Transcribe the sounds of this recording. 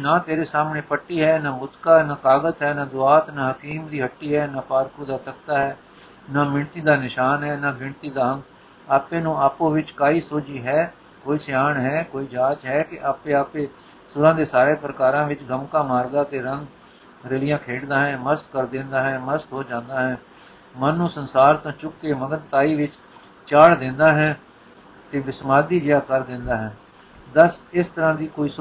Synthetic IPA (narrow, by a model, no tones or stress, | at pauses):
naːt̪eːɾeːsaːmnẽːpəʈːiːɦɛːnaːbʊt̪kaːnaːkaːɡət̪ɦɛːnaːd̪ʊaːt̪nãːɦəkiːmd̪iːɦəʈːiːɦɛːnaːpaːɾkuːd̪aːt̪əkt̪aːɦɛː | naːmɪɳt̪iːd̪aːnɪʃaːnɦɛːnaːbɪɳt̪iːd̪aːə̃ŋɡ | aːpeːnũːaːpõːʋɪt͡ʃkaːiːsoːd͡ʒiːɦɛː | koːiːsɪjaːɳɦɛːkoːiːd͡ʒaːt͡ʃɦɛːkɪʔaːpẽːaːpeː | sʊɾãːd̪eːsaːɾeːpɾəkaːɾãːʋɪt͡ʃɡəmkãːmaːɾd̪aːət̪eːɾəŋɡ | ɾəlɪjãːkʰeːʈd̪aːɦɛ̃ːməɾst̪kəɾd̪ɪ̃ːnd̪aːɦɛ̃ːməst̪ɦoːd͡ʒãːnd̪aːɦɛ̃ː | mənːũːsənsaːɾt̪õːt͡ʃʊkːeːməɡ̪əɾt̪aːiːʋɪt͡ʃ | t͡ʃaːɽd̪ɪ̃ːnd̪aːɦɛː | t̪eːʋɪsmaːd̪iːd͡ʒɪjaːkəɾd̪ɪ̃nd̪aːɦɛː | d̪əsɪst̪əɾãːd̪iːkoːiːs